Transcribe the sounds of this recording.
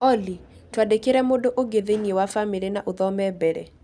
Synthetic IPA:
ɔli | twadekɪɾɛmodoʔoɡeðeniewafamɪlenaʔʊðɔmɛbɛɾḛ

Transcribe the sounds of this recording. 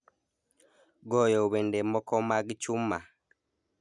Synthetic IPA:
ɡɔjɔuβɛndɛmɔkɔmaɡit͡ʃuma

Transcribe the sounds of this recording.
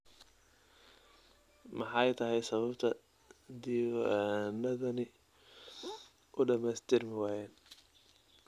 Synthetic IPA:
mɑħɑjt̪ʰɐɦɛjsɐβɐbt̪ʰɐ | d̪iwnɐðɐnɪ | ʔʊɖɐmɛːst̪ʰɪrmɪwæːjɛːn

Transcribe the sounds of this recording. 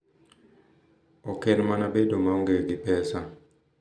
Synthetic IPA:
ɔkɛnmanabedomaɔŋɡeɡɪpɛsa

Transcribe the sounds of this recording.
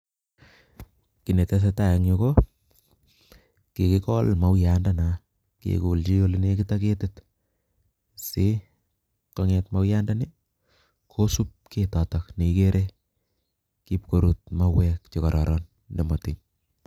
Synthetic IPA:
kinetɛs̬etajaŋɲoko | kekikɔlmawjandana | kḛkult͡ʃiolinekitaketet | se | koŋɛtmawjandani | kʰosup̚kʰetɔtakneikeɾʔe | kipkoɾut̚mawɛk̚t͡ʃekaɾɔ̰ɾɔnː | emotin

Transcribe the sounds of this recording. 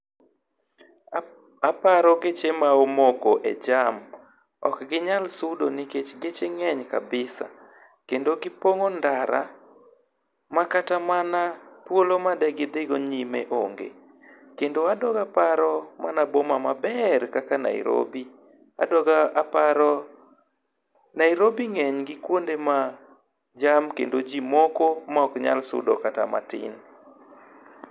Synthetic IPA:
apaɾɔɡet͡ʃemaomoɡoʔed͡ʒam | ɔ̰kɡɪɲalsudoniket͡ʃɡet͡ʃeŋɛɲkabɪsa̰ | kendoɡɪpoŋondaɾa̰ | makatamanapwolomadɛɡɪd̪ɪɡoɲimḛʔoŋɡḛ | kendoadɔɡapaɾɔmanabomamabɛrkakana̰ḭɾo̰bi | a̰dɔɡaapaɾɔ | naiɾobiŋɛɲɡɪkwondema | d͡ʒamkendod͡ʒimokomaɔkɲa̰lsʊ̰dɔkata̰ma̰tɪ̰n

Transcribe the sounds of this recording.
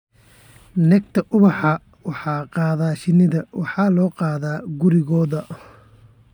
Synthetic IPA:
nɛɡt̪ʰɐʔʊβɑħɑ | wɑħɑːqɑːðaːʃɪnɪðɐwɑħɑːlɔːqɑːðaːɡʊɾɪɣɔːðɐ

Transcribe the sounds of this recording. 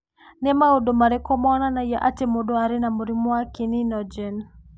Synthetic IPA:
nɛmaodomaɾɛkɔmɔnanajaʔatemodoaɾenamuɾimwakininɔd͡ʒɛn

